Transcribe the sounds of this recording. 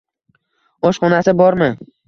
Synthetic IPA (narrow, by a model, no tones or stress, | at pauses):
ɒʃχɒnasɪbɒɾmɪ